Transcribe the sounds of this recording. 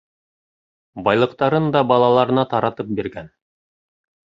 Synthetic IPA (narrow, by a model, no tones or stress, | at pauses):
bɑjlˠɤ̆qt̪ɑɾɤnd̪ɑbɑlˠɑlˠɑɾɤ̆nɑt̪ɑɾɑt̪ɤp̚biɾɡæn